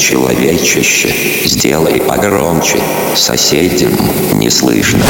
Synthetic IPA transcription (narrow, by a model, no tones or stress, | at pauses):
t͡ɕɪlˠɐvʲet͡ɕɪɕːɪ | zʲdʲelˠəjɐɡɾomt͡ɕɪ | sɐsʲedʲɪvm | nʲɪslˠɨʂnə